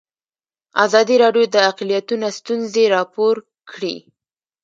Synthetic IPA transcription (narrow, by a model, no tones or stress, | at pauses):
azɑd̪iɾɑɖjod̪əaqlijat̪unast̪unzeɾɑpoɾ | kɽḭ